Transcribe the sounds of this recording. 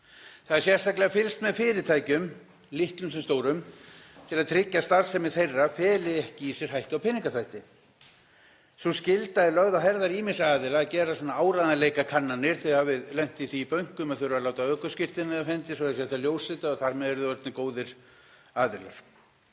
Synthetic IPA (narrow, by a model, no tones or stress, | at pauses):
θaðɛɾ̥sjɛst̪ajklɛɣafɪlst̪mɛðfɪːɾɪt̪ʰaːjcʏm | lɪht̪lʏmsɛmst̪oːwɾʏmt̪ʰɪlaðt̪ʰɾɪcːast̪aɾ̥sɛmɪðθejrːafɛːlɪɛhcɪisjɛɾ̥hajht̪awpʰɪnɪ̃ŋkaθʰajht̪ɪ | suscɪlt̪aðɛlœɣðahɛɾðaɾiːmɪnsaaːðɪlaːcɛːɾasanːaaːwɾaðnalejkakʰanːanːɪɾ̥θɛhavɪðlɛn̥t̪iθiːpœɥŋ̥kʏmaðθʏɾʏvalaːwt̪aœːkʏscɪr̥t̪ɪnaðafɛnt̪ɪsɔɛðsɛaθaljoːwsɪt̪aɔθaɾmɛðɛɾʏðʏœt̪nɪkoːwðɪɾ̥ | aːðɪla̰ɾ̥